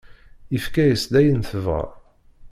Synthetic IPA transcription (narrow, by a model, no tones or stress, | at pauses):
ifkæjəsd̪æjənθəvʁæ̰